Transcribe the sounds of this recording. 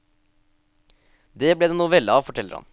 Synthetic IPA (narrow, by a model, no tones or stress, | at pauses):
d̪eːblɛːd̪eːnuːʋɛlːəɑːʋfɔʈʰɛlːəɾhɑ̰n